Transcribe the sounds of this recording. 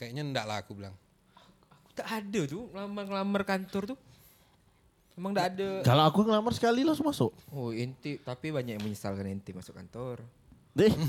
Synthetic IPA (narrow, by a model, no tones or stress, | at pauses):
kajaʔɲaəndaʔlaakubila̰ŋ | a | akudaʔːdat̪ʊŋlamərŋəlamərkant̪ɔrt̪ʊ | memaŋdaːdakalaakuŋəlamarsə̥kalilasumasʊʔɔhint̪it̪apibaɲakməɲəsa̰lkanint̪imasʊka̰nt̪ɔr | de